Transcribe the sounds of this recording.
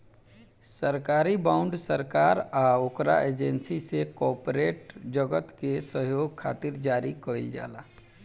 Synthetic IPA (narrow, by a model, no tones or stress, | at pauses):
səɾkaːɾibãʊ̃ɳɖsəɾkaːɾaokɾa̰ʔeːd͡ʒensisekɔːpɾeːʈd͡ʒəɡət̪kesəɦjoːɡ̚kʰa̰ːt̪iɾd͡ʒaːɾikəild͡ʒa̰ːla̰